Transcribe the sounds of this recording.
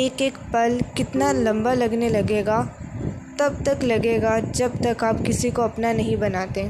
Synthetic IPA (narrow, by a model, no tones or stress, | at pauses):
eːkeːkpɐlkɪt̪nalɐ̃mbalɐɡnelɐɡeːɡa | t̪ɐb̚t̪ɐklɐɡeːɡad͡ʒɐb̚t̪ɐkaːpkɪsikoɐpnanɐɦĩbɐnaːt̪ẽ